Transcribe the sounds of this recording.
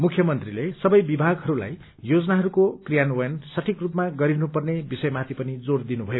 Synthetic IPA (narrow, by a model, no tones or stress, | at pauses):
mukʰjʌmʌnt̪rilesʌbʌjbibʱaɡɦʌɾula̰j | jod͡zʌnaɦʌɾukokrijanojʌnsʌʈʰikrupmaɡʌɾinupʌrnebisʌjmat̪ʰipʌnid͡zord̪inubʱʌjo